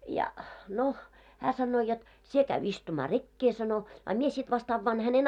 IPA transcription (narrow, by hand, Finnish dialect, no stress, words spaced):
jɑ no hæː sɑnːoː jot sie kæy istumɑː rekːe sɑno ɑ mie sit ʋɑst ɑʋːɑːn hænen